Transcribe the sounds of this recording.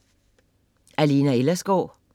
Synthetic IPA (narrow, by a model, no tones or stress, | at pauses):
ælinæe̝lɐsɡ̥o̰ː